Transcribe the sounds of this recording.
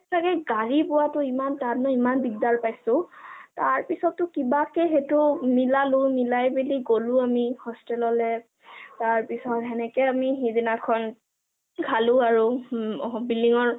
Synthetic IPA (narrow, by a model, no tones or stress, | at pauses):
sakɛɡaɹipʊwatʊimantadnɔimanbiɡdaɹpajsʊ̃taɹpisɔtːʊkibakɛɦetʊmilalʊmilajbiliɡolʊ̃amihɔstɛlɔlɛ | taɹpisɔtɦɛnɛkɛamiɦedinakʰɔn | kʰalʊ̃aɹu | bilːiŋɔɹ